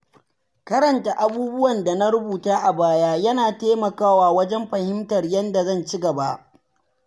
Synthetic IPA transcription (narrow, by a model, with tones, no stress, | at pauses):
kɐ˦ɾɐ˨nta˨ʔa˨buː˦bʊ˦wɐ˨nda˨na˦ɾʊ˦buː˨taː˦ʔa˨baː˦jaː˦jɐ˦naː˨teː˦mɐ˨kaː˦waː˨wɐ˦d͡ʒɛ˦mɸɐ˨hɪ˦mtɐ˨rjɐ˦nda˨zɐ˦˨nt͡ʃɪ˦ɡɐ˨ba˦ʔ